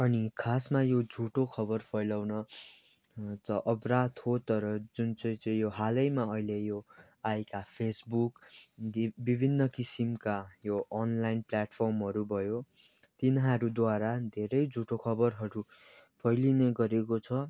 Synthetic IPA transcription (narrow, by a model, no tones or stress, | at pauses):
ʌnikʰasmajod͡zʱuʈokʰʌbʌrpʰʌjlawnʌ | t̪ʌʔʌprat̪hot̪ʌɾʌd͡zunt͡sʌj̃t͡sʌĩjoɦalʌjmaʌilejo | ajkapʰesbuk̪ | bibʱinːʌkisimkajoʌnlajnplaʈpʰʌrmɦʌɾubʱʌjo | t̪inɦaɾud̪waɾad̪ʱeɾʌjd͡zʱuʈokʰʌbʌrɦʌɾu | pʰʌjlineɡʌɾekot͡sʰʌ